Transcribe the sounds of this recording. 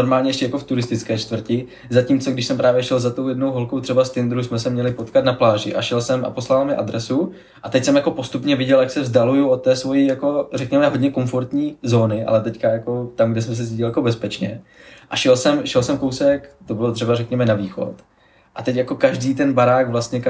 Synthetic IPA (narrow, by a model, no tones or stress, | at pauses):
noɾmaːlɲɛjɛʃcɛjakoft̪uɾɪst̪ɪt͡skɛːt͡ʃt̪vr̩cɪ | zaciːmt͡soɡdɪʃsɛmpɾʔaːvjɛʃɛlzat̪owjɛdnowɦolkowt̪r̥ɛbast̪ɪnd̪ɾusmɛsɛmɲɛlɪpot̪kat̪naplaːʒɪ̰ʔa̰ʃɛlsɛmʔa̰po̞slamɪʔad̪ɾɛsu | ʔat̪ɛcsɛmjako̞po̞st̪upɲɛvɪɟɛljaksɛvzdalujuʔot̪ːɛːsvo̞jijako̞rɛkɲɛmɛɦodɲɛko̞ɱfoɾt̪ɲiːzo̞ːnɪʔa̰lɛt̪ɛckajako̞t̪amɡdɛs̬ɛms̬ɛziɟɪljako̞bɛspɛt͡ʃɲɛ̰ʔaʃɛlsɛmʃɛlsɛmko̞wsɛakt̪o̞bɪlot̪r̝̥ɛbaɾɛkɲɛmɛnaviːxo̞̰t̪ | ʔat̪ɛcjako̞kaʒdiːt̪̬ɛnbaɾaːɡvlast̪ɲɛ